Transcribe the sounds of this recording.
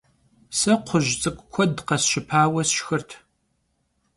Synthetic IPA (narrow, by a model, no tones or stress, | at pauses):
sɐqʷʰʊʒt͡sʼɨkʷʼkʷʰɔdqɐsʃɪpʰaːwɐsʃxɨrtʰ